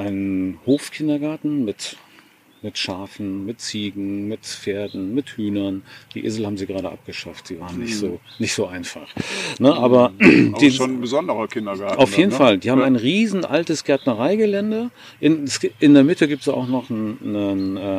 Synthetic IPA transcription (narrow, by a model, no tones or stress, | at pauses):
ʔaɪnənhoːfkʰɪndɐɡaɐtn̩mɪt | mɪtʃaːfn̩mɪtt͡siːɡŋ̩mɪtfeːɐdn̩mɪthyːnɐnd̥iːʔḛːzl̩haːbm̩ziːɡəʁaːɾəʔa̰p̚ɡ̥əʃaftz̥iːvaːʁənɪçtz̥oː | nɪçtz̥oːʔaɪnfa̰χnəʔaːbɐd̥iːonbəzɔndəʁɐkʰɪndɐɡaɐaʊfjeːdn̩faldiːhaːbmaɪnʁiːzn̩ʔaltəsɡ̥ɛɐtnəʁaɪɡəlɛndə | ʔɪnsʔɪndeːɐmɪtəɡiːp̚tsa̰ʊxnɔχnnənɛ